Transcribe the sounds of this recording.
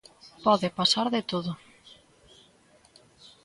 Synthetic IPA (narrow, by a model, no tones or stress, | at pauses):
pɔðɪpasaɾðɪt̪oðʊ